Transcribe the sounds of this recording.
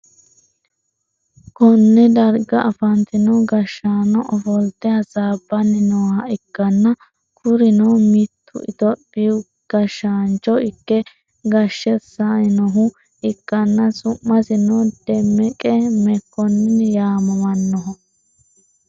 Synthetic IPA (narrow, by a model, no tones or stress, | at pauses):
kɔnːɛd̪ɐɾɡɐʔɐfɐnt̪ɪnɔɡɐʃːaːnɔʔɔfɔlt̪ːɛhɐsaːbːɐnːɪnɔːhɐɪkːɐnːɐ | kʰʊɾɪnɔmɪt̪ʰːʊ̰ɪ̰t̪ɔbiʊ | ɡ̥ɐʃːaːnt͡ʃːɔɪkːɛ | ɡɐʃːɛsaɪnɔɦʊ | ɪkːɐnːɐsʊmːɐsɪnɔd̪̥ɛmːɛkʼɛmɛkːɔnjaːmɐmɐnːɔɦɔ